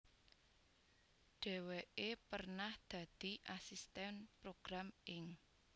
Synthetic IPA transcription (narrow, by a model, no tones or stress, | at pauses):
ɖ̥ɛ̤weʔepərnahd̪̥ä̤d̪̥i̤ʔasist̪ɛnpɾoɡ̥ɾamʔɪŋ